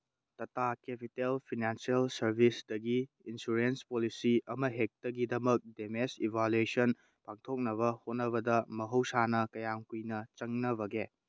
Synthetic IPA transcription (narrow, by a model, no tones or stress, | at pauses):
tɐtakepʰitelpʰinansiɐlsɐɾbʱisdɐɡi | insuɾenspolisiɐmɐɦek̚tɐɡidɐmɐk̚demesibʱaluesɔn | paŋtʰok̚nɐβɐhot̚nɐβɐdɐmɐɦɐwsanɐkɐjamkujnɐt͡ʃɐŋnɐβɐɡe